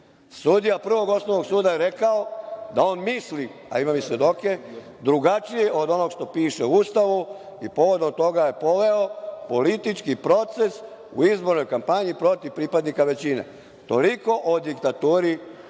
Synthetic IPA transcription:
sud̪ijapr̩ʋo̞ɡo̞snoʋnoɡsuːd̪ajeɾe̞kaod̪ao̞ːnmisli | a̰imamisʋje̞d̪o̞ke̞ | d̪ɾuɡat͡ʃijeʔo̞d̪o̞noɡʃt̪o̞piːʃeust̪aʋu | ipo̞ʋo̞d̪omt̪o̞ɡaje̞po̞ʋe̞opo̞lit̪it͡ʃkipɾo̞t̪se̞s | ṵizbo̞ɾno̞jkampaɲipɾo̞t̪iʋpɾipad̪nikaʋe̞t͡ɕine̞̰ | t̪o̞liko̞ʔod̪ikt̪at̪uːɾi

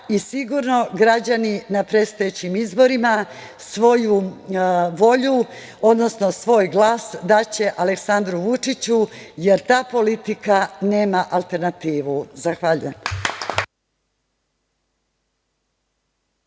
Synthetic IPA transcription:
isiɡuɾno̞ɡɾad͡ʑaninapɾe̞t̪st̪ajet͡ɕimizbo̞ɾima | sʋo̞ju | ʋo̞ʎu | o̞d̪no̞sno̞sʋo̞ːjɡlaːsd̪at͡ɕe̞ʔale̞ksand̪ɾuʋut͡ʂit͡ɕuje̞ɾt̪aːpo̞lit̪ikane̞ːmaʔalˠt̪e̞ɾnat̪iːʋuzaxʋaːʎṵem

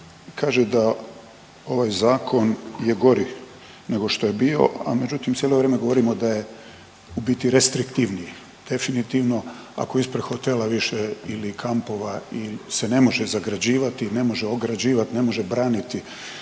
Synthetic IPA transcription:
kʰaːʒed̪a | o̞ʋaːjzaːkʰo̞nje̞ɡo̞ɾi | ne̞ɡo̞ʃt̪o̞jebiːo̞̰a̰me̞d͡ʑut̪imt̪jelo̞ʋɾeːme̞ɡoo̞ɾimo̞d̪aje̞ | ubit̪iɾe̞st̪ɾikt̪iʋniji | d̪̥e̞finit̪iʋno̞ | a̰ko̞ispɾexot̪elaʋiʃeilikʰampo̞ʋailse̞ne̞mo̞ʒezaɡɾad͡ʑiːʋat̪ine̞mo̞ʒeoɡɾad͡ʑiːʋat̪ine̞mo̞ʒebɾaːnit̪i

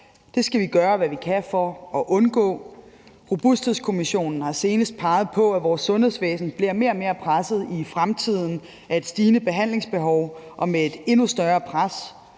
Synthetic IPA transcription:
d̥e̝sɡ̥æʋiɡ̥ɶːɐʋæʋikʰæfɒ̽ːʔɔ̽nɡ̥ɔ̰̽ː | ʁob̥usd̥he̝ðˠskʰo̝miɕo̝̰ːnn̩hɑ̈se̝ːnəsd̥̚pʰɑ̈ːð̞̩ˠpʰɒ̽æʋɒːsːɔ̽nhe̝ð̰ˠsʋḛːsn̩b̥liɐ̰me̝ɐme̝ːɐpʰʁasð̞̩ˠifʁamt͡sʰið̞̰ˠn̩ | ʔæe̝d̥sd̥iːnəb̥e̝ɦæn̰le̝ŋsb̥e̝ɦɒʊʔɒ̽meed̥e̝nusd̥ɶɐɐːpʰʁas

